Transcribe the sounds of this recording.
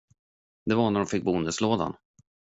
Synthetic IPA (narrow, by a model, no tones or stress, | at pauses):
d̪ɛvaɳæɖɔmfɪk̚ːbʊnd̪əsloːd̪a̰n